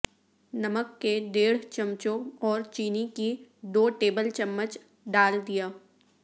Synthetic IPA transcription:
nɐməkːed̪eːɽ̤t͡ʃɐmt͡ʃõɔːɾt͡ʃiːnikid̪oːʈeːbəlt͡ʃɐmːət͡ʃ | ɖaːld̪ijaː

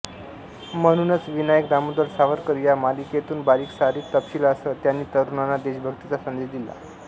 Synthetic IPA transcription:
məñunət͡sʋinajəkd̪amud̪əɾsaʋəɾkəɾijamalikjet̪uːnbaɾiːksaɾiːt̪ːəpɕiːləsət̪janːiːt̪əɾunanad̪eɕbʱəɡt̪it͡sasənd͡zed̪ila̰

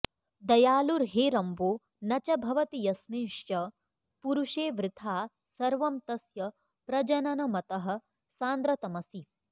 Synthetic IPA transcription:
d̪ɐjaːluɾɦeːɾɐmboː | nɐt͡ʃɐbʱɐʋɐt̪ijɐsmiʂjɐ | puɾuʂeːʋɾɪt̪ʰaː | sɐɾʋɐmt̪ɐsjɐ | pɾɐd͡ʒɐnɐnɐmɐt̪ɐɦɐ̆ | saːnd̪ɾɐt̪ɐmɐsi

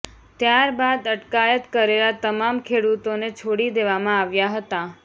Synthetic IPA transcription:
t̪jaɾbad̪əʈkajət̪kəɾelat̪əmamkʰeɽut̪onet͡ʃʰoɽid̪eʋamãaʋjaɦət̪a

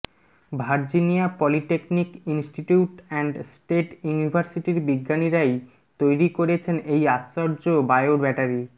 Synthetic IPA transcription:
bʱaɾd͡ʑinijapɔliʈeknikinsʈiʈuʈɛɳɖsʈeʈjunibʱaɾsiʈiɾbiɡːaniɾaj | t̪ojɾikoɾet͡ɕʰenejaaɾd͡ʑobaeoɾbɛʈaɾi

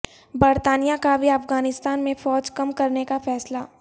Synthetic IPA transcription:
bɐɾt̪aːnijakabʱiɐfɡaːnɪst̪aːnmẽfɔːd͡ʒkɐmkɐɾnekafɛːsla

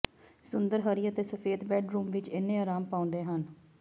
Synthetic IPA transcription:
sʊnd̪əɾɦəɾiːət̪eːsəpʰeːd̪bɛːɖɾuːmʋɪt͡ʃɪnːẽːaːɾaːmpaːʊ̃nd̪eːɦən

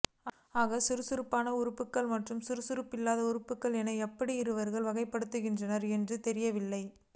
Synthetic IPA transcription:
aːɣɐsɪɾɯsʊɾɯpːaːnɐʊɾɯpːɯkːɐɭmɐʈrɯmsɪɾɯsʊɾɯpːɪlːaːðɐʊɾɯpːɯkːɐɭɛnɐɛpːɐɽiɪɾɯʋɐɾɣɐɭʋɐɣɐɪpːɐɽɯt̪ːɯɣɪndrɐnɐɾɛndrɯt̪ɛɾɪjɐʋɪlːɐɪ

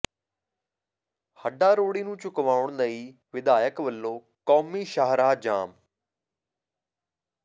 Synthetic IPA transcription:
həɖaːɾoːɽiːnũːt͡ʃʊkʋaːʊɳnəiː | ʋɪd̪aːjəkʋəlːõː | kɔːmiːʃəɦɾaːd͡ʒa̰ːm

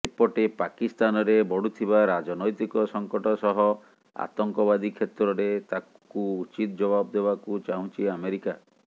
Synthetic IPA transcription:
epɔʈepakist̪anɔɾebɔɽut̪ʰiβaɾad͡ʒɔnɔjt̪ikɔsɔŋkɔʈɔsɔɦɔ | a̰t̪ɔŋkɔbad̪ikʰet̪ɾɔɾet̪a | kuut͡ʃit̪ɔd͡ʒɔbabd̪ebakut͡ʃaɦũt͡ʃʰiameɾika

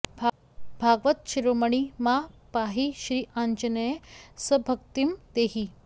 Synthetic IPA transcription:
bʱ | bʱaɡʋət̪̚ɕiɾoməɳ̃imapaɦiɕɾiːʔaɲt͡ɕənəjesəbʱəkt̪imd̪eɦi

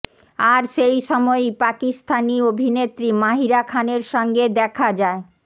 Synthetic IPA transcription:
aɾʃejʃɔmɔejpakist̪ʰaniobʱinet̪ɾimaɦiɾakʰaneɾʃɔŋɡed̪ɛkʰad͡ʑae

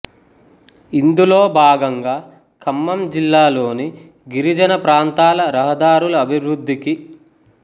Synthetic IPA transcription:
ind̪uloːbʱaːɡɐŋɡaː | kʰɐmːɐmd͡ʒilːaːlo̞ːni | ɡiɾid͡ʒɐnɐpɾaːnt̪aːlɐɾɐɦɐd̪aːɾulɐɐbʱiwɾud̪ʱːiki

